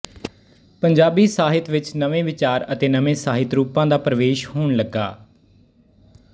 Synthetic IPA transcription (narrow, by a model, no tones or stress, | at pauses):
pəɲd͡ʒaːbiːsaːɦɪt̪ʋɪt͡ʃnəʋẽːʋɪt͡ʃaːɾət̪eːnəʋẽːsaːɦɪt̪ɾuːpãːd̪aːpɾəʋeːʃhoːɳləɡaː